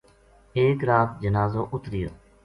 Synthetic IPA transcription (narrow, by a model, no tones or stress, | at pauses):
eːkɾaːt̪̚d͡ʒənaːzoːʔʊt̪ɾɪjoː